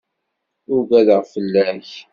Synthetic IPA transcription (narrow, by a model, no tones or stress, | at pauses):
ʊvæðəʁfəlːæç